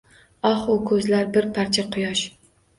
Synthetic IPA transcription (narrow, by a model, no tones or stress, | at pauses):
ɒχʊkʰɵzlaɾbɪɾpʰaɾt͡ʃʰaqʰʊjɒʃ